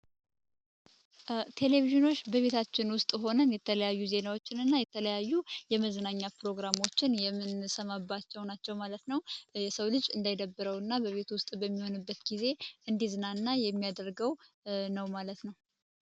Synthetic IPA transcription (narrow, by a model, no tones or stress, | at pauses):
t̪ʰe̞le̞viʒɨno̞t͡ʃːbəβe̞t̪ʰat͡ʃːɪnwʊst̪ʼɦo̞nənjɛt̪ʰələjajːuze̞nawo̞t͡ʃːɪnɨnːajɛt̪ʰələjajːujɛməzənaɲːapɾo̞ɡɾamo̞t͡ʃːɪnjɛmːɨnsəmabːat͡ʃːɛwnat͡ʃːɛwmalət̪nəwjɛsəwlɨd͡ʒɨnd̪ajd̪əbːɨɾəwɨnːabəβe̞t̪uwʊst̪ʼbəmːiho̞nɨbːət̪ɡize̞ʔɨnd̪izɨnaɨnːajɛmːijad̪əɾɡəw | nəwmalət̪nəw